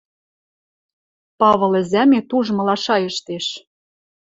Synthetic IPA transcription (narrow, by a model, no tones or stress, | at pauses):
pɑβɤ̆lɘ̆zæmet̪uʒmɤ̆lɑʃɑjɤ̆ʃt̪eʃ